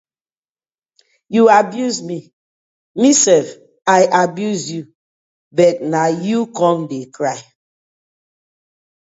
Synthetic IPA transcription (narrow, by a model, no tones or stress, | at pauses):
juabjuzmi | misɛlf | aɪʔabjuzju | bɛt̚najukɔ̃mdekɹaɪ